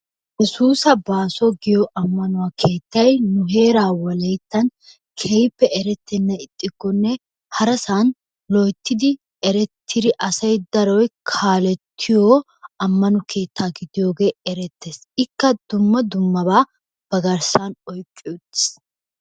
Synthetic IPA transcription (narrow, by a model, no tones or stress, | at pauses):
jɛsuːsɐbaːsɔɡɪjɔʔɐmːɐnʊwaːkʰe̞ːt̪ːɐjnʊɦe̞ːɾaːwɐlɛjt̪ːɐn | kʰɛjpːɛʔɛɾɛt̪ʰːɛnːɐɪt̪ʼːɪɡːɔnːɛ | hɐɾɐsan | lɔjt̪ːɪd̪ɪ | ɛɾɛt̪ʰːɪd̪ɪʔɐsɐjd̪ɐɾɔjkʰaːlɛt̪ʰːɪjoː | ɐmːɐnʊkʰe̞ːt̪ːaːɡɪd̪ɪjo̞ːɡe̞ːɛɾɛt̪ːeːs | ɪkːɐd̪ʊmːɐd̪ʊmːɐbaː | b̥ɐɡɐɾsanɔjkʼːɪjʊt̪ːɪ̥s